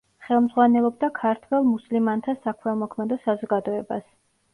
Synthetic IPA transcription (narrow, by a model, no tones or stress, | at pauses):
χɛlˠmd̪zʁwanɛlˠɔb̚d̪akʰaɾt̪ʰwɛlˠmuslimant̪ʰasakʰmɛlmɔkʰmɛd̪ɔsazɔɡad̪ɔɛba̰s